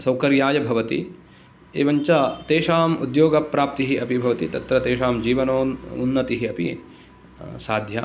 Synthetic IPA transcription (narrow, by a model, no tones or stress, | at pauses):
sɐwkɐɾjaːjɐbʱɐʋɐt̪ḭ | ḛːʋɐɲt͡ʃɐt̪eːʂaːmud̪joːɡɐpːɾaːp̚t̪iɦiɐpibʱɐʋɐt̪it̪ɐt̪ɾɐt̪eːʃaːmd͡ʒiːʋɐnoːunːɐt̪iɦiɐpḭ | saːd̪ʱjɐ̰